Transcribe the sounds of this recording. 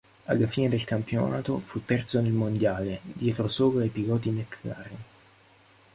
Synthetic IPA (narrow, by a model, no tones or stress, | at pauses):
a̰lːafiːned̪elkampionaːt̪ofut̪ːɛrt̪sonelmond̪jaːled̪jɛːt̪ɾosoːɣaaepiɡɔːt̪imet̪la̰rin